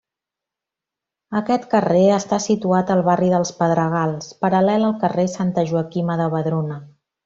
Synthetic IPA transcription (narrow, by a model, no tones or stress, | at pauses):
əkɛt̪kəreəst̪asit̪uat̪əlˠβariðəlˠspəðɾəɣ̞alˠspəɾəlɛləlˠkəresant̪əʒuəkiməðəβəðɾonə